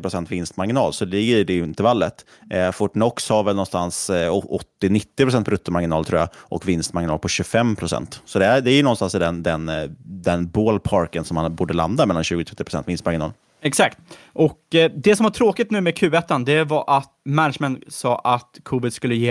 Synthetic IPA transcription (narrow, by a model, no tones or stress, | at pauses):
pɾʊsɛnt̪vɪnst̪maɾɡɪnɑ̰ːlsɔd̪ɪɡəɖɛjɵɪnt̪ɛɾvalːət̪ | fɔʈnɔkshaɾvɛlnɔnst̪ansɔɔt̪ːɪnɪt̪ːɪpʰɾʊsɛnt̪ʰɔɾɵt̪ːəmaɾɡɪnɑːlt̪ʰɾṵːja̰ʔɔkvɪnst̪maɾɡɪnɑːlpʰɔɕɵfɛmpʰɾʊsɛ̰nt̪sɔd̪ɛæd̪ɛæjɵnɔnst̪ansd̪ɛnd̪ɛnd̪ɛnboːlpʰɑɾkənsɔmhanbuːɖəla̰nd̪amɛlːanɕʉ̟ːɡʊt̪ʰɾɛt̪ːɪpɾ̥ʊsɛnt̪vɪnst̪maɾɡɪnɑ̰ːl | ɛksak̚t̪ | ʔɔkd̪ɛsɔmvaʈʰɾoːkɪt̪̚nʉ̟ːmekʰʉ̟ːɛt̪ːand̪ɛvɑɾʔat̪mænʂmɛnsɑːʔat̪kʰuːvɪd̪skɵlːəjeː